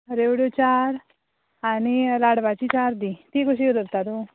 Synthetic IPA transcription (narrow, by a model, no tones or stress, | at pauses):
ɾeʋɽjot͡ɕaɾ | añilaɽʋat͡ɕit͡ɕaɾd̪it̪iɡoɕiud̪əɾt̪at̪o